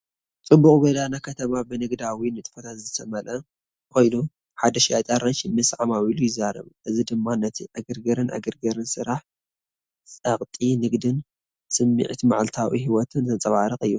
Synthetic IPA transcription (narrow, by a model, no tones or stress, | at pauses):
t͡sʼɨbukʼbɐd̪anakʰɐt̪ʰɐmabɨnɨɡd̪awinɨt̪ʼfɐt̪ʰat̪zɨsʰɐmɐlɐ | kʰo̞jnu | ħad̪ɐʃijat̪ʼaɾɐnʃimɨsʕamawilujɪzːaɾɐ̰βʔɨzid̪ɨmːanɐt̪ʰiʔaɡɨɾɡɐɾɨnʔa̰ɡɨɾɡɐɾɨnsɨɾaħ | t͡sʼɐχʼt̪ʼinɨɡd̪ɨn | sɨmːḭʕt̪ʰma̰ʕalt̪ʰawḭhiwɔt̪ʰɨnt̪ʰɐt͡sʼɐβaɾɨχʼɨjːu